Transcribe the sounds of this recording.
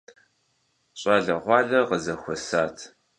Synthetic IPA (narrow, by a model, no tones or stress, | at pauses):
ɕʼɑːɮɐʁʷɑːɮɐqəzɐxʷɔsaːtʰ